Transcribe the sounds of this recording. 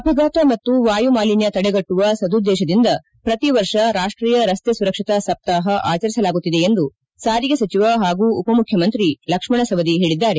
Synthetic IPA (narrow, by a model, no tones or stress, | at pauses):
ɐpʰɐɡaːt̪ɐmɐt̪ːuʋaːjumaːlinjɐt̪ɐɽeɡɐʈːuʋɐsɐd̪ud̪ːɛːʃɐd̪ind̪ɐ | pɾɐt̪iʋɐɾʂɐɾaːʂʈɾiːjɐɾɐst̪esuɾɐkʂit̪ɐsɐp̚t̪aːɦɐʔa̰ːt͡ʃɐɾisɐlaːɡut̪ːid̪e̞end̪u | saːɾiɡɐsɐt͡ʃiʋɐɦaːɡuːpɐmukʰjɐmɐnt̪ɾilɐkʂmɐɳɐsɐʋɐd̪iɦe̞ːɭid̪ːaːɾe̞